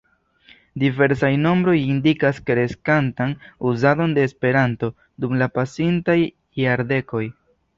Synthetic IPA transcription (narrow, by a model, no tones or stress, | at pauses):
dive̞ɾsajno̞mbɾo̞jindikaskeɾe̞skantanuzado̞nde̞ːspe̞ɾanto̞ | dumlapasintaj | jaɾde̞ko̞j